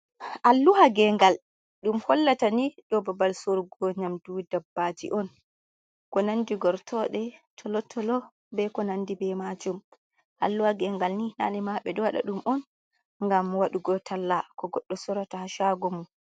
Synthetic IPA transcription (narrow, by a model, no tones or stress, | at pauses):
ʔalːuhaɡɛŋɡal | ɗumhɔlːataniɗɔbabalsoɾuɡɔɲamdudabːad͡ʒḭʔɔn | kɔnandiɡɔɾtʰɔɗɛtʰɔlɔtʰɔlɔ | bɛkɔnandibɛmad͡ʒum | ʔa̰lːuhaɡɛŋɡalnina̰nimaɓɛɗɔwaɗa̰ɗumʔɔn | ŋɡamwaɗuɡɔtʰalːakɔɡɔɗːɔsɔɾatahaʃaɡɔmun